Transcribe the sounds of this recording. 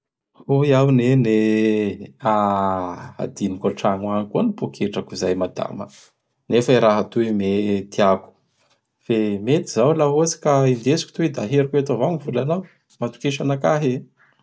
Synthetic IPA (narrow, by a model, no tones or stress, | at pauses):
uiawnene | a | a̰d̪inikoʈ͡ʂaŋwankuənipokʰeʈ͡ʂəkuzajmad̪a̰mə | nefəiɾaɦat̪uimet̪iaku̥ | femet̪izawlaɦosi̥kaind̪esi̥ku̥t̪ued̪aɦeɾakeat̪avaŋivulanaw | mat̪u̥keʃanakaɦe